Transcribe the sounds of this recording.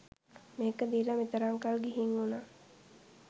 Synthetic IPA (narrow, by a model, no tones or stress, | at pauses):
meːkəd̪iːləmit̪əɾaŋkalɡiɦiŋuna